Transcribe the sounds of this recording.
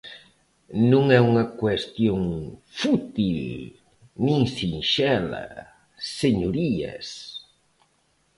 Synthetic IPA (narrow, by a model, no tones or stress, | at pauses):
nũŋɛuŋɐkwest̪joŋfut̪il | nĩŋsinʃɛlɐ̰ | seɲoɾiɐ̰s